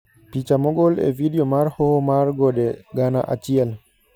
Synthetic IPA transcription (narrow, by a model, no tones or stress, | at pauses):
pit͡ʃamɔɡɔlɛ̰vidiɔmaɾhohomarɡɔɗɛɡana̰ʔa̰t͡ʃiɛl